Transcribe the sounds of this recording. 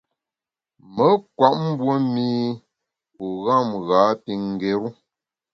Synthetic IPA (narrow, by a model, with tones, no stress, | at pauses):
mə˨˦kwa˨ʔ̚m̩˦bwo˦mi˦ | u˨ɣa˦˨mɣa˨˦ti˨ŋ˨ɡe˨ɾu˦